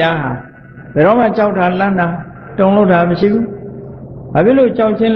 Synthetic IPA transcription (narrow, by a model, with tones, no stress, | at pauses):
a˦ɦa˨ | b̥ɛ˨ɾɔ˦˨m̥a˦˨t͡ɕa˦ʊtʰːa˨lã˦˨nda˨ | tõ˨ʊ̃lo˦ʊtːa˨məʃḭ˦˨bu˦ | b̥a˨pʰjɪ˦˨lo˦˨t͡ɕa˦ʊʔt͡ɕʰɪ̃˦l